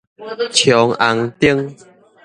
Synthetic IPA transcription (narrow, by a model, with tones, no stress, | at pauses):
t͡ɕʰjɔ˨˦ŋa˨˧˦ŋt̪i˦ə˦ŋ